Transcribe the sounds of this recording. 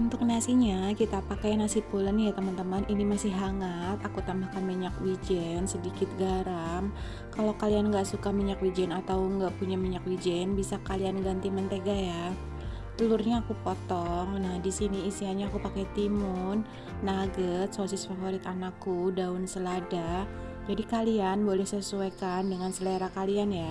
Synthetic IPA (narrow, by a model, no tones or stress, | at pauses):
unt̪ʊk̚nasiɲakit̪apakajnasipulənjat̪əmənt̪əməninimasɪhɦaŋat̪akut̪amahkanmiɲakwid͡ʒɛnsədikɪt̪̚ɡaɾam | kalokalianŋɡaʔsukamiɲakwid͡ʒɛnat̪awŋɡaʔpuɲamiɲak̚wid͡ʒɛnbisakalianɡant̪imənt̪eɡaja | t̪əlurɲaːkupɔt̪ɔŋnahdisiniːsiɦaɲaːkupakɛt̪imunː | aɡət̪̚sosɪsfafoɾit̪anakudaunsəlada | d͡ʒadikalianbolɛhsəsuɛkandəŋansəleɾakalianja